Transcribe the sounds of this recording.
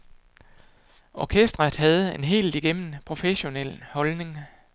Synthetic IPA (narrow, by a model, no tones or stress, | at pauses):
ʔɒkʰesd̥ʁɐd̥hæð̞̩ˠe̝nɦe̝̰ːld̥iɡ̥em̰n̩pʰʁo̝feɕo̝nel̰hɒ̽lne̝ŋ